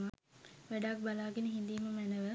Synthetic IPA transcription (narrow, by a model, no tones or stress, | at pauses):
maʋæɖakbalaːɡenəɦind̪iːməmɛnəʋə